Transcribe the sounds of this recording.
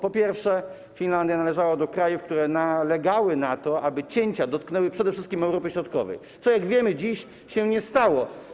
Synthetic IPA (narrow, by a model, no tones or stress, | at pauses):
pɔpʲjɛɾfʂɛ | fʲinland̪janalɛʐawad̪ɔkɾajufkt̪uɾɛnalɛɡawɘnat̪ɔabɘt͡ɕeɲt͡ɕad̪ɔt̪̚knɛwɘpʂɛd̪ɛfʂɘst̪̚kʲimɛwɾɔpʲɛɕɾɔt̪̚kɔ̰vɛ̰j | t̪sɔjaɡvʲjɛmɘd͡ʑiɕ | ɕɛɲɛst̪awɔ